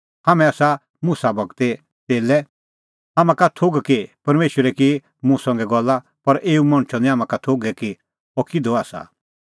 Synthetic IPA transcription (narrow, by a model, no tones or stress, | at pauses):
hamɛ̃aːsa | mũsabɐɡt̪e | t̪eːlɛ | ɦamãkat̪ʰoɡkipɐɾmeːʃwəɾɛki | mũsɐ̃ŋɡɛɡɔlːa | pɐɾʔeːumɐ̃ɽ̃t͡ʃʰɔnĩɦaːmãkat̪ʰoɡɛki | ɔkʰɪd̪ɔaːsa̰